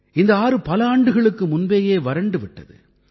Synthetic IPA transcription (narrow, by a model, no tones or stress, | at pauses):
ɪnd̪ɐaːɾɯpɐlɐaːɳɖɯɣɐɭɯkːɯmʊnbeːjeːʋɐɾɐɳɖɯʋɪʈːɐ̰ðɯ̰